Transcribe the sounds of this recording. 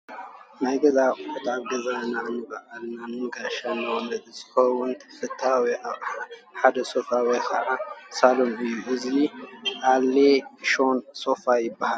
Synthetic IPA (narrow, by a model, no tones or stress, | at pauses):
najɡɐzakʼʊħut̪aβɡɐzananɨbaʔalnanɨɡaʃanːɐwnd̪ɐd̪izɨ̥xɐwʊnt̪ʰfɨt̪ʰːawiʔaβħad̪ɐso̞fawikʰɐ̰ʕasalomɨjːuʔɨziʔalːeʃo̞nso̞fajɪbːaha